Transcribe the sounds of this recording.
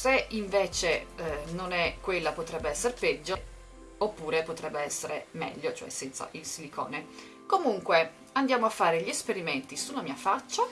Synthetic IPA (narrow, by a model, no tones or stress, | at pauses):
seiɱveːt͡ʃenonɛkːwelːapot̪ɾɛbːeɛsːeɾepɛd͡ʒːo | opːuːɾepot̪ɾɛbːeɛsːeɾemɛ̰ʎːot͡ʃoɛ̰sːɛnt̪sa̰ʔilsilikʰɔ̰ːne | komuŋkwe | and̪jaːmoafːaːɾeʎiespeɾiment̪isunamiafat͡ʃːa